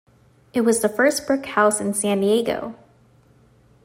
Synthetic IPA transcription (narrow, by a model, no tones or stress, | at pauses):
ɨt̚wʌzðəfɜ˞sb̥ɹɪkhaʊsɨ̃n̩sæ̃ndieɪɡo̰ʊ